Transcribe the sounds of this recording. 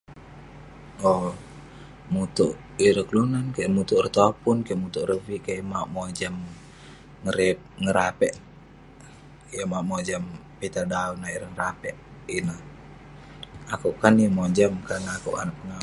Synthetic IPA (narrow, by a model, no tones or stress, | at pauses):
ɔ | mut̪uʔ | iɾəklunankamut̪uʔrət̪aapunkamut̪uʔrəvikamaʔmod͡ʒam | ŋəɾɛp̚ŋəɾapɛʔ | jamaʔmod͡ʒampit̪adaunaiɾəŋəɾapɛʔina | akuʔkanijamad͡ʒamkanakuʔa̰naʔ̚pəŋa